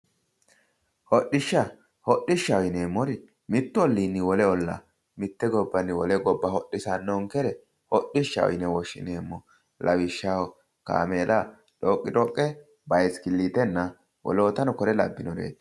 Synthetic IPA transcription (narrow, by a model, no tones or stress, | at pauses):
hɔɗɪʃːɐ | hɔɗɪʃːɐɔjneːmːɔɾɪ | mɪt̪ːʊɔlːiːnːɪwɔlɛɔlːɐ̰ | mɪt̪ːɛɡɔbːɐnːɪwɔlɛɡɔbːɐhɔɗːɪsɐnːɔŋkɛɾɛ | hɔɗɪʃːɐ̰ɔ̰jnɛwɔʃːɪ̰neːmːɔ | lɐwɪʃːawɔ | ka̰ːmeːlʔa | ᶑɔkʼːɪɾɔkʼːɛ | bɐjskɪlːiːt̪ɛnːɐ | wɔ̰loɔt̪ɐnɔkɔɾɛlɐ̰bːɪnɔɾḛːd̪